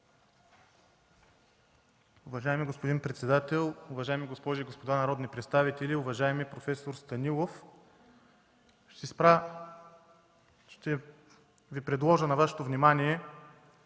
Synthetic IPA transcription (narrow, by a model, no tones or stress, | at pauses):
ʊvɐʒaɛmiɡospod̪inpɾɛt̪sɛd̪at̪ɛlˠʊvɐʒajmiɡospɔʒiːɡospod̪anɐɾɔd̪nipɾɛt̪st̪avit̪ɛliʊvɐʒaɛmipɾofɛsoɾst̪ɐnʲilˠof | ʃt̪ɛspɾa | ʃt̪ɛ | vipɾɛd̪lˠɔʒənɐvaʃɛ̥t̪ovnimaniɛ